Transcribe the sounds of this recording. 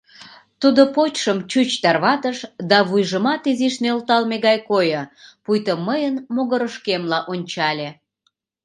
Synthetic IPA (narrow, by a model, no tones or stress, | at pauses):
t̪ud̪opot͡ɕʃəmt͡ɕut͡ɕt̪ɑrβɑt̪əʃd̪ɑβujʒəmɑt̪iziʃneolt̪ɑlmeɣɑjkojəpujt̪əmːəjənmoɣəɾəʃkemlɑʔonʲt͡ɕɑlʲe